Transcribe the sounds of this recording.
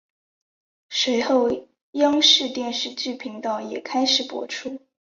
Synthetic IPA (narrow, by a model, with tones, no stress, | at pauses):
swe˧˥ɪxo˥˩ʊ | jɑ˥ŋʂɻ̩˥˧t̪jɛ˥˧nʂɻ̩˥˧t͡ɕy˥˩pʰi˧˥ŋt̪ɑ˥˩ʊjɛ˨˩kʰa˥ɪʂɻ̩˨˩pwɔ̰˥ʈ͡ʂʰu˥